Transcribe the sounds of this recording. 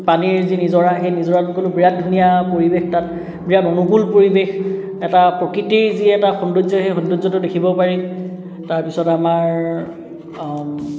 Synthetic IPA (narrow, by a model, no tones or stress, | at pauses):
paniɹzinizɔɹaxejnizɔɹatkolʊbiɹad̚dʱunijapoɹibextat | bijadɔnukulpoɹibex | ɛtapɹɔkɹitiɹziɛtaxɔnduzɔxejxɔndozɔtʊdekʰibɔpaɹi | taɹpisɔtamaɹ